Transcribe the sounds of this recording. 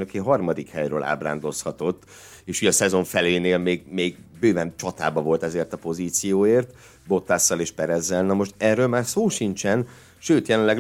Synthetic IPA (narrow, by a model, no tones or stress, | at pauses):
nøkeɦɒrmɒd̪ikhɛjɾø̰ːlʔa̰ːbra̰ːnd̪o̞shɒt̪o̞t̪ː | eːʃuːjɒsɛzo̞ɱfɛleːneːlmeːɡmeːɡbøːvɛnt͡ʃɒt̪a̰ːbɒvo̞lt̪ɛzeːrt̪ɒpo̞ziːt̪sijoːeːrt̪ | bo̞t̪ːaːsːɒleːʃpɛɾɛzːɛlnɒmo̞ʃt̪ɛrːøːlmaːrsoːʃint͡ʃɛn | ʃøːt̪jɛlɛlɛ